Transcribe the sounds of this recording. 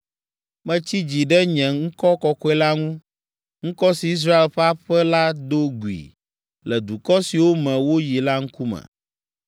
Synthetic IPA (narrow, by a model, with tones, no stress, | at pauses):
mɛ̃˦t͡ɕi˦d͡ʑi˨ɖɛ˦ɲɛ̃˨ŋŋ̩˦kɔ˦kɔ˨kɔ˦ɛ˦la˦ŋũ˦ | ŋ̩̃˦kɔ˦si˨i˦s̬ɾa˦e˨lɸɛ˦a˦ɸɛ˦la˦d̪o˦ɡu˨ḭ˨ | lɛ˨d̪u˨kɔ˦si˨wo˦mɛ̃˨wo˦ji˨la˦ŋ̩˦ku˦mɛ̰̃˨